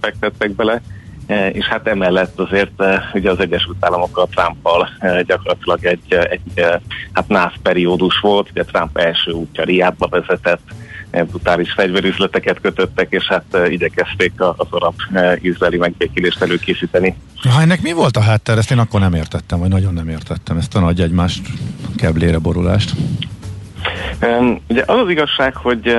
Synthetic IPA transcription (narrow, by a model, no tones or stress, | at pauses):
fɛk̚t̪ɛt̪ːɛɡ̚bɛlɛ | ḛːʃhat̪ɛmɛlːɛt̪ːɒzeːrt̪ːuɟɛɒzɛɟːɛʃylt̪aːlːɒmo̞kːɒlt̪rampːɒlɟɒkorlɒt̪ilɒɡɛɟːɛɟhat̪naːfpɛɾioːd̪uʃʋo̞lt̪uɟɛt̪rampɛlʃøːuːcːɒɾijaːd̪̚bɒvɛzɛt̪ɛt̪ːbrut̪aːliʃfɛɟvɛɾyzlɛt̪ɛkɛt̪køt̪øt̪ːɛkeːʃhat̪ːiɟɛkɛst̪eːkɒzoɾɒb̥izraːlimɛɡ̚beːkeleːʃt̪ɛløːkeːsiːt̪ɛniɦɒɛnːɛkmivo̞lt̪ɒɦaːt̪ːɛɾɛst̪eːnɒkːo̞rnɛmeːrt̪ɛt̪ːɛɱvɒɟnɒɟo̞nːɛmeːrt̪ɛt̪ːɛmɛst̪ɒnɒɟɛɟmaːʃt̪kɛbleːɾɛbo̞ɾula̰ːʃt̪ | uɟɛʔɒzɒziɡɒʃːaːkho̞ɟ